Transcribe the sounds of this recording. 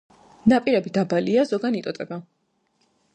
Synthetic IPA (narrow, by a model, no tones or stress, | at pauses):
napʼiɾɛbid̪abaliazɔɡanit̪ʼɔt̪ʼɛba